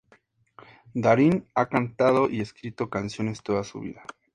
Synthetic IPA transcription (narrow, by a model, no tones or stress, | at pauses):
d̪aɾinakant̪aðo̞ʔie̞skɾit̪o̞kansjo̞ne̞st̪o̞ðasṵβḭða